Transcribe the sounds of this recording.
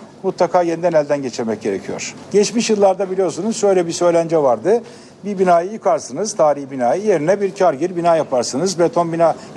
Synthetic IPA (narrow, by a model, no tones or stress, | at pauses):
mut̪lˠakʰaːje̞nid̪ɛnælʲd̪ænɟet͡ʃʰiɾmɛc̚ɟe̞ɾecʰijo̞̰ɾ̥ɟ̥ɛt͡ʃmiʃjɯlˠːaɾd̪abilʲijo̞ɾsunuz̥ʃø̞jlʲɛbisø̞jlʲænd͡ʒɛvaɾd̪ɯ | bibinaːjɯjɯkʰaɾsɯnɯzt̪ʰaːɾiçbinaːjɯje̞ɾinɛbiɾcʰaɾɟiɾbinaːjapʰaɾsɯnɯzbɾet̪ʰo̞nbinaː